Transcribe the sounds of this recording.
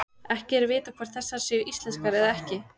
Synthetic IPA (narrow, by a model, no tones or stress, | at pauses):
ɛhcɪɛɾvɪːt̪akʰvaɾ̥θɛsːḁsɛʏʔist̪ɛnskaɾɛðaɛhcɪ